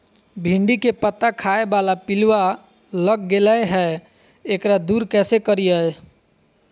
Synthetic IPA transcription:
bʱĩɳɖikepət̪ːakʰaːebalapɪlwa | ləɡɡelaeɦɛ | ekɾad̪uːɾkɛːsekəɾiəj

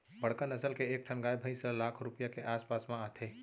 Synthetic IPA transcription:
bəɽ̤kənəsəlkeːk̚ʈʰəɳɡajbʱəjsəlakʰɾupijakeʔaːspasmãat̪ʰe

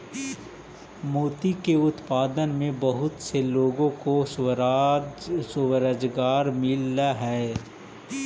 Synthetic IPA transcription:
moːt̪ikeʊt̪paːd̪ənmẽbɐɦʊt̪seloːɡõko | sʊwəɾəd͡ʒɡaːɾmɪlːaɦɛː

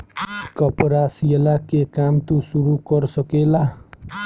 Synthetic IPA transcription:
kʌpɾasielakekamt̪usuɾukʌɾsʌkela

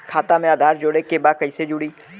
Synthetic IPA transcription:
kʰaːt̪amẽaːd̪ʱaːɾd͡ʒoːɽekebaːkəiːsed͡ʒʊɽiː

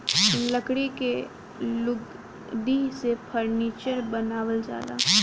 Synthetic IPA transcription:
ləkɽike | lʊɡ | d̪isepʰəɾniːt͡ʃəɾbənaːwəld͡ʒa̰ːd̪a̰ː

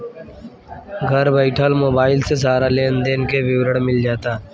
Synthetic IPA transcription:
ɡʱɐɾbəɪʈʰaːlmoːbaːɪlsezaːɾaleːnd̪eːnkeʋɪwɾəɽmɪld͡ʒaːt̪aː

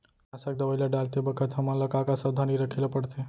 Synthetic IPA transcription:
asək̚d̪əbəjlaɖalt̪ebəkʰət̪ɦəmələkakasəd̪ʱaniɾəkʰilepəɽt̪ʰe

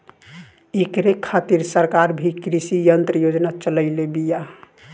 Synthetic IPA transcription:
ekɾekʰːat̪iɾsəɾkaɾbʱikɾisijənt̪ɾəjod͡ʒnat͡ʃələɪlebija

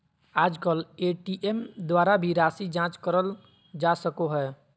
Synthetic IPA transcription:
ad͡ʒkəleʈiʔemd̪waɾabʱiɾasid͡ʒãt͡ʃkəɾəl | d͡ʒasəkoɦɛ

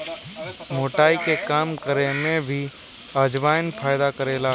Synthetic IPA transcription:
moːʈaːikekaːmkəɾemẽbʱi | aːd͡ʒʋaːjnpʰaːɪd̪akəɾeːla

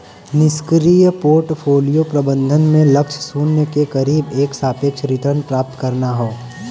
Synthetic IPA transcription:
nɪskɾiːjpoːɾʈfʰoːlijopɾɐbə̃nd̪ʱənmẽlɐkʃʰsuːnːekekɐɾiːbeːksaːpjekʃɾɪʈəɾnpɾaːp̚t̪kɐɾnaɦoː

